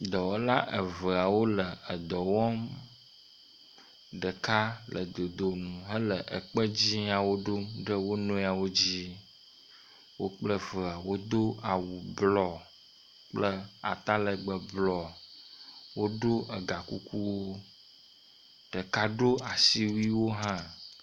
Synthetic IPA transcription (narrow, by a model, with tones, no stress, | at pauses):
d̪ɔ˨wo˦la˦ʔə˨və˨a˨wo˦lə˨ə˨d̪ɔ˨wɔ˦m | ɖə˨ka˦lʔə̰˨d̪o˨d̪o˨m˨ɦə˦lə˨ʔə˨k͡pə˦d͡ʑi˦a˨wo˦ɖo˦mɖə˦wo˦nɔ̃˦a˨wo˦d͡ʑi˦ | wo˦k͡plə˦və˨a˨wo˦d̪o˦a˨wu˨blɔ˨ | k͡plə˦a̰˨t̪a˦lə˨ɡ͡bə˨blɔ˨ | wo˦ɖo˦ʔə˨ɡa˨ku˦ku˦wo˦ | ɖ̥ə˨ka˦ɖo˦a˨si˦wi˦wo˦ɦã˦